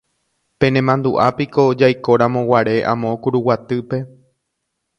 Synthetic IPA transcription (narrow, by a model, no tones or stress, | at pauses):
pẽ̞nẽmãnd̪uʔapiko̞d͡ʒajko̞ɾãmõ̞waɾe̞ʔã̰mõkuɾuwat̪ɨpe̞